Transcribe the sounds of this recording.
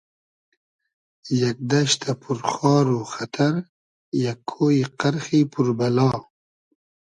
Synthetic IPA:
jak̚d̪aʃt̪ʰapʰuɾχɑːɾoxat̪ʰaɾ | jakʰːoːiqaɾxipʰuɾbalɑː

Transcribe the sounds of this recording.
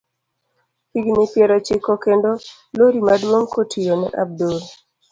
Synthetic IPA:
piɡnɪpjɛɾot͡ʃɪkːokendo | loɾimadwoŋkotʰijonɛ̰ʔab̚dol

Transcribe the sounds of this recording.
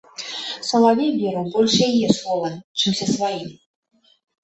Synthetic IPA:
sɐlˠavʲevʲiɾubɔlʲʂjɛjɛslˠɔvɐt͡ʂɨmsʲɛsvajim

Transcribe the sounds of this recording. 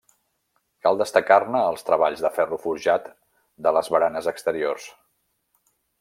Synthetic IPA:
kalˠd̪əst̪əkarnəːlˠst̪ɾəβ̞aʎzðəfɛrufuɾʒat̪ | d̪ələzβəɾanəzəkst̪əɾiors

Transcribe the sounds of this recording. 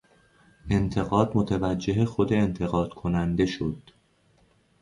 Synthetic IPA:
ʔe̞nt̪ʰe̞ɣɒːd̪mot̪ʰevæd͡ʒːe̞ɦexod̪eːnt̪ʰe̞ɣɒːd̪̥kʰo̞nænd̪e̞ʃod̪̥

